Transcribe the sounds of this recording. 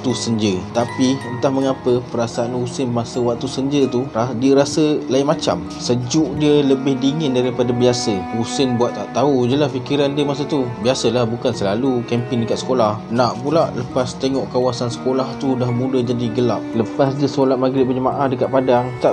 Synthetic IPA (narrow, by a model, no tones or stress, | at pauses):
t̪usəɲd͡ʒət̪apiənt̪ahməŋapəpəɾasaːnusɪnmasəwak̚t̪usəɲd͡ʒət̪uradiəɾasəlaɪmat͡ʃa̰m | səd͡ʒʊʔdiələbɪhdiŋɪndaɾipadabiasəusɪnbuat̪̚t̪aʔt̪aud͡ʒəlahfikiɾandiəmas̬at̪ubiasəlahbukansəlalukɛmpɪndəkaʔ̪sə̥kolahnaʔpulaʔləpast̪eŋɔʔkawasansə̥kolaht̪udahmũdəd͡ʒadiɡəlap̚ləpasdəsolat̪̚maɡiliʔbəd͡ʒəmaʔahdəkatʔ̪̚padaŋt̪aʔ